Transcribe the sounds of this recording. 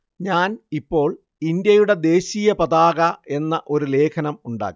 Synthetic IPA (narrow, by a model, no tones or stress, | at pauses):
ɲaːnipːo̞ːɭ | ind̪jɐjuɽe̞d̪e̞ːɕiːjɐpɐðaːɣɐe̞nːɐʔo̞ɾule̞ːkʰɐnɐmuɳɖa̰ːɣ